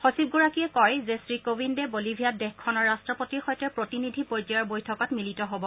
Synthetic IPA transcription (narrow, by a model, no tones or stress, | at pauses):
xosib̚ɡuɹakiɛkɔjzesɹikobindɛbolibʱijadɛxkʰːɔnɔɹːastɹɔpotiɹxɔjtɛpɹotinidʱipɔjtajɔɹbojtʰɔkɔtmilitɔɦobɔ